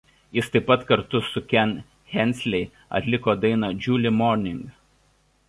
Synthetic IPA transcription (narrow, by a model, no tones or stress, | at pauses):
jɪst̪ɐɪpːɐt̪kɐɾt̪ʊsʊkʲɛn | xʲɛnʲsʲlʲɛɪ | ɐ̰t̪ʲlʲɪkoːd̪ɐɪnɐd͡ʒʲuːlʲɪmɔːɾʲnʲɪŋɡ